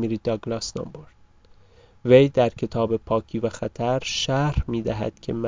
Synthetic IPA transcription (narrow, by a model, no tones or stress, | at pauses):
miɾid̪ɒɡlɒsnɒ̰mboɾd̪̥̚ | vejd̪æɾcʰe̞t̪ʰɒːbe̞pʰɒːcʰiːvæxæt̪ʰæɾʃæɾhmiːd̪æɦæ̰d̪̥cʰe̞mæ